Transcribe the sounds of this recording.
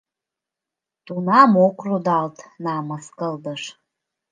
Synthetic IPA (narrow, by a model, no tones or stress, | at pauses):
tʼunamokʷʰrudaltʼnaːmaskʼəldəʂ